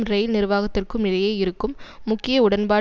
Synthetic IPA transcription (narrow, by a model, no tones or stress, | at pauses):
mɾɛɪlnɪɾɯʋaːɣɐt̪ːɪrkɯmnɪlɐjeːɪɾɯkːɯmːʊkːɪjɐʊɽɐnbaː